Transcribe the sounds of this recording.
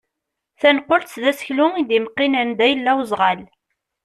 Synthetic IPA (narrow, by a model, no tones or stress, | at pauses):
θænqːolt͡sðæsə̥çlʊŋid̪imqːinænd̪æjəlːæwzˤʁal